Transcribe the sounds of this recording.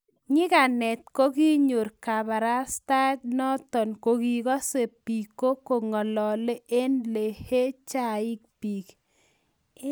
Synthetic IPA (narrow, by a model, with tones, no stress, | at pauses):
ɲɪ˦ka˨nɛ˨t̪̚ko˦ɡi˦ɲo˨ɾka˨ba˨ɾa˦sta˦tnɔ˦t̪ɔ˨nko˨ɡi˨kɔ˦se˨pi˨ko˦ko˨ŋɔ˨lɔ˨le˦ʔe˦nle˨he˦t͡ʃa˦ɪ˦k̚pi˨k